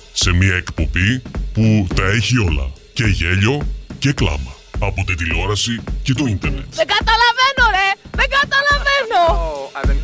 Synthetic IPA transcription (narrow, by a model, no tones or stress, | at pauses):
se̞miɐekpo̞biput̪ɐe̞çio̞lɐ̰ | ce̞ʝe̞ʎo̞ce̞klɐ̰mɐ | ɐpo̞t̪et̪ilo̞ɾɐsice̞t̪o̞int̪eɾnet̪ðeɡɐt̪ɐlɐve̞noɾe̞ðeɡɐt̪ɐlɐveno